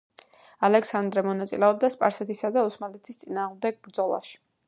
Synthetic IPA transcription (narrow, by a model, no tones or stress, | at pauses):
alɛksand̪ɾɛmɔnat̪sʼilɛɔb̚d̪aspʼaɾsɛt̪ʰisad̪ausmalɛt̪ʰist̪sʼinaːʁmd̪ɛɡ̚bɾd̪zɔlˠa̰ʃi̥